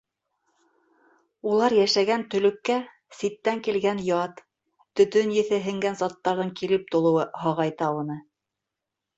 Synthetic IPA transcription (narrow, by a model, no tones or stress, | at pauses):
ulˠɑɾjæʃæɡænt̪ɵ̆lɵ̆kːæ | sit̪ːæŋkilɡænjɑt̪ː | ɵ̆t̪ɵnjɘ̆θɘɦɘ̆ŋɡænzɑt̪ːɑɾðɤɴkilɘp̚t̪ŏlˠɤ̆wɤɦɑʁɑjt̪ɑwɤ̆nɤ